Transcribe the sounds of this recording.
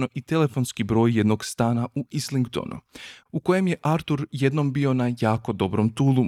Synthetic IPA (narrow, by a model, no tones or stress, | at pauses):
noʔit̪e̞le̞fo̞nskibɾo̞ːjje̞d̪no̞ɡst̪aːnauisliŋɡt̪o̰nʔṵuko̞je̞mje̞ʔaɾt̪uɾje̞d̪no̞mbio̞najaːko̞d̪o̞bɾo̞mt̪uːlˠu